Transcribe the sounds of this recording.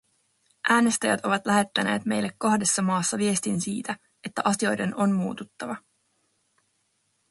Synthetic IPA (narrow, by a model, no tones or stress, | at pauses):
ʔæːne̞st̪æjæ̰t̪o̞ʋɑt̪læɦe̞t̪ːæne̞̰ːt̪me̞jlːekːohde̞sːɑmɑːsːɑʋie̞st̪insḭːt̪æ | e̞t̪ːæʔɑsio̞jde̞no̞nmuːt̪ut̪ːɑʋɑ